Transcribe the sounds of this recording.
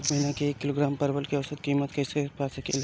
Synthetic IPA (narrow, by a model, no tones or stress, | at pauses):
mɐɦinakeeːkːɪloːɡɾaːmpɐɾʋəlkiɐʋsət̪̚kiːmət̪kɛːsepasɐkḛl